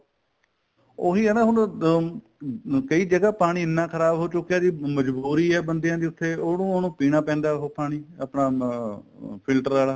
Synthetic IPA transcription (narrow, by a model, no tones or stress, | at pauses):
oːɦiːɦɛːnaːɦʊɳ | kəiːd͡ʒəɡaːpaːɽ̃iːɪnːãːkʰəɾaːbɦoːt͡ʃʊkːjaːd͡ʒiːməd͡ʒbuːɾiːɛːbənd̪jãːd̪eːʊt̪ʰːeːoːnũːoːnũːpiːɽaːpɛ̃ːnd̪aːɦoːpaːɽ̃iːapɳaː | pʰɪlʈəɾaːlaː